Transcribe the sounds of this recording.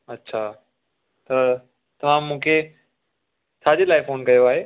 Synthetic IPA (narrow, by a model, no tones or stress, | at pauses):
ɐtːɕʰaː | t̪ɐ | t̪ɐʋ̤ãmːũːkʰe | saːd͡ʑelaːɪfoːnkɐjoaːɦeː